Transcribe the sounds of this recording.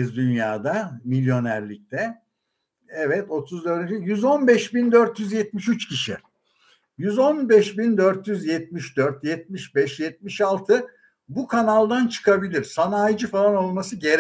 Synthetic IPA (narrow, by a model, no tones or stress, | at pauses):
zd̪ynjaːd̪amilʲjo̞næɾlʲic̚t̪ʰɛ | ɛvɛt̪ʰo̞t̪ʰuzd̪øɾd̪yd͡ʒijyzo̞nbɛʃbind̪ø̞ɾt̪jyzjɛt̪̚miʃyt͡ʃcʰiʃi | jyzo̞nbɛʃbind̪øɾt̪jyzjɛt̪̚miʃd̪øɾt̪jɛt̪̚miʃbɛʃjɛt̪̚miʃalˠt̪ʰɯ | bukʰanalˠd̪ant͡ʃʰɯ̥kʰabilʲiɾsanaːjd͡ʒɯfalˠano̞lˠmasɯɟeɾ